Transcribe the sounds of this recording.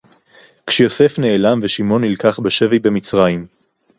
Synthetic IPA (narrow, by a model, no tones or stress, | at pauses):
kʃejo̞se̞fne̞ːlamveʃimo̞nhilkaχbeʃe̞vijbe̞mit͡sʁajim